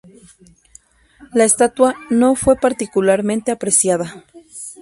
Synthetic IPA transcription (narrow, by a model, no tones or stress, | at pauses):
laest̪at̪wano̞fwe̞paɾt̪ikulaɾmẽnt̪eapɾesjaða